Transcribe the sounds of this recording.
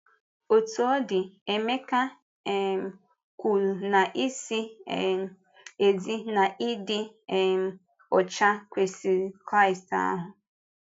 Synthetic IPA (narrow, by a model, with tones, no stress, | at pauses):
o˨tu˨o˦dɪ˨e˨me˦ka˦˨ | kʷu˨na˨ʔi˦si˦˨˦ | e˨zi˦na˨ʔɪ˦dɪ˦˨ | ɔ˨t͡ʃa˦kʷe˨si˨˦kɾa˦ɪ˨sta̰˦ɦʊ˨